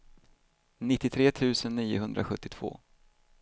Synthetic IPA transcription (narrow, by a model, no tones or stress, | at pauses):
nɪt̪ːɪt̪ʰɾeːt̪ʰʉ̟ːsənːiːʊɦɵnd̪ɾʔa̰ɧɵt̪ːɪt̪ʰv̥o̰ː